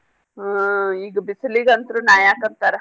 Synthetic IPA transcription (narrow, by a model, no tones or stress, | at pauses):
iːɡɐbisliɡɐnt̪ɾunaːjaːkɐnt̪aɾ